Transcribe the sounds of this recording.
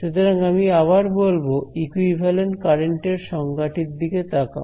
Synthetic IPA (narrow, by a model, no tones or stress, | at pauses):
ʃut̪ʰoɾaŋamiaβaɾbolboikuibʱalenʈkaɾeɳʈeɾʃɔŋɡaʈiɾd̪iket̪aka̰